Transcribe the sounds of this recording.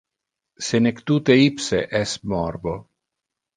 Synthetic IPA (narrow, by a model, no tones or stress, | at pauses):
senekt̪ut̪eipseʔɛsmɔɾbo